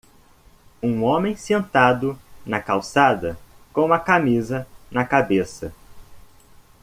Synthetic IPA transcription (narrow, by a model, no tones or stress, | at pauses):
ũõmẽj̃sẽnt̪ad̪ʊnɐkawsad̪ɐ | kõũmɐkamizɐnɐkabesɐ